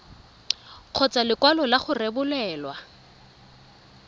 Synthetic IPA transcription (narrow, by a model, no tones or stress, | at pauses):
q͡χʰɔt͡salɪkwalɔlaχʊrebʊlɛːlwa